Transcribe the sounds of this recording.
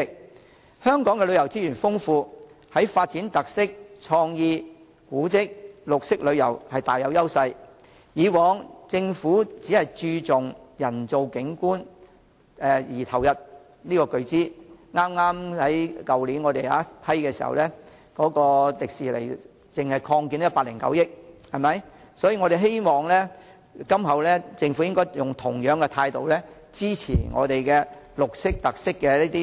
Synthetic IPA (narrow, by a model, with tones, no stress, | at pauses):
k̚ | hœː˥ŋkɔː˨˥ŋkɛ˧lɵ˨˧ɥjɐ˨˩wt͡siː˥jyː˨˩nfʊ˥ŋfuː˧ | hɐ˨˥jfaː˧t̚t͡siː˨˥nt̪ɐ˨k̚sɪ˥k̚t͡ʃʰɔː˧ŋjiː˧ | kuː˨˥t͡sɪ˥k̚lʊ˨k̚sɪ˥k̚lɵ˨˧ɥjɐ˨˩whɐ˨jt̪aː˨jːɐ˨˧wjɐ˥wsɐ˧j | jiː˨˧wɔː˨˧ŋt͡sɪ˧ŋfuː˨˥t͡siː˨˥hɐ˨jt͡ʃyː˧t͡sʊ˨˩ŋjɐ˨˩nt͡so˨wkɪ˨˥ŋkuː˥n | ɛ˨jiː˨˩t̪ʰɐ˨˩wjɐ˨t̚ | niː˥kɔː˧kɵ˨˧ɥt͡siː˥ŋaː˥mŋaː˥mhɐ˨˥jkɐ˨wliː˨˥nŋɔː˧t̪e˨ja̰ː˨˥pʰɐ˥jkɛː˧siː˨˩hɐ̰˨wlɛː˥ | kɔː˨˥kɔː˧lɪ˨k̚siː˨lḛ˨˩j | t͡sɪ˨ŋhɐ˨jkʰɔː˧ŋkiː˨˥njɐ˥paː˧˩lɪ˨˩ŋkɐ̰˨˥wjɪ˥k̚hɐ˨˩jmɐ˨˥j | sɔː˨˥jiː˧ŋɔː˨˧ɾe˨jɦe˥jmɔː˨˩ŋlɛː˥ | kɐ˥mɦɐ˨˩wlɛː˥t͡sɪ˧ŋfu˨˥jɪ˥ŋkɔː˥jjʊ˨ŋt̪ʰʊ˨˩ŋjœː˨˥ŋkɛ˧t̪ʰaː˧jt̪o˨wlɛː˥ | t͡siː˥t͡sʰḭː˨˩ŋʔɔ̰ː˨˧t̪e˨jkɛː˧ | lʊ˨k̚sɪ˥k̚t̪ɐ˨k̚sɪ˥kːɛ˧niː˥t̪iː˥